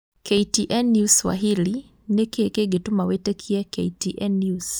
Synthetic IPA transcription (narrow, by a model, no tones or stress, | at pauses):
keitiʔɛnjuswa̰ɦili | nekekeɡetumawetekʰiɛkeitiʔɛnjus